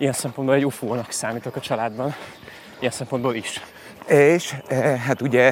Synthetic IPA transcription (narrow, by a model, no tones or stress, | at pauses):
ijɛnsɛmpo̞nd̪boːlɛɟufoːnɒksaːmiːt̪okɒt͡ʃɒlaːd̪bɒn | ijɛnsɛmpo̞nd̪boːliʃ | eːʃɦat̪uɟɛ